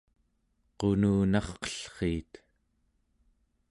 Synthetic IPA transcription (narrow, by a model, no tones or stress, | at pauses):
qo̞nuːnɑχqʌ̥ɬχeːt̪